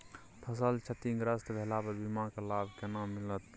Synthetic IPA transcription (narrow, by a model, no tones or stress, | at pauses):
pʰəsəlt͡ʃʰət̪iŋɡɾəst̪bʱelapəɾbimãkelabʱkenamːilət̪